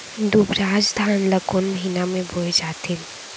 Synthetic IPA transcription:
d̪ubɾaːd͡ʒd̪ʱaːnləkoːnməɦinamẽboed͡ʒaːt̪ʰɪn

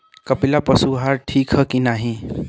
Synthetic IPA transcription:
kʌpilapəsuɦaɾʈʰikɦʌkinaɦĩ

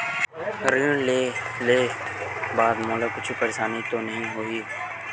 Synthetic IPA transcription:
ɾĩle | leːbaːd̪moːlakʊt͡ʃʰpɐɾeːʃaːnit̪onɐɦĩɦoːiː

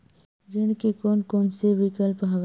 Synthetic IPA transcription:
d͡ʒɪnkekoːnkoːnseʋɪkəlpɦaɡ

